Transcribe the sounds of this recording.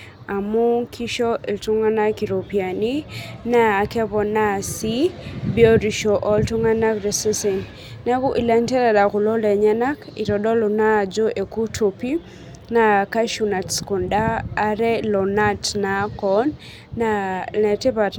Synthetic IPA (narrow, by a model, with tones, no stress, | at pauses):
a˨mu˦kʰi˦ʃɔ˦i˨ltu˦ŋa˦na˦ki˨ɾo˨pi˨a˨ni˦naː˦˨kɛ˦bɔ˨na˦si˦bjɔ˦ɾi˨ʃɔ˨ʔɔ˦ltu˦ŋa˦na˦kɾɛ˨se˦se˨n | na˦ku˦ʔi˨la˨ntɛ˦ɾa˨da˨kʊ˨lɔ˦lɛ˨ɲa˦na˦ki˨ɾɔ˨ɗɔ˦lo˨na˦˨d͡ʒo˦ʔe˨ku˦tʰo˨pi˦ | na˨ka˦ʃu˨na˨tsko˨ndaː˦ɾɛ˦lɔ˨na˦tna˨˦kɔ˦nː | anɛ˨te˦pa˨t